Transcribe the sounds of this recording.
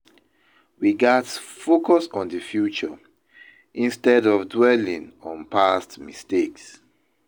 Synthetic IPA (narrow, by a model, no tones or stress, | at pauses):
wiɡatsfokɔsɔ̃ndəfjut͡ʃɔ | ʔĩnstɛdɔvdwɛlĩŋɔ̃npastmisteks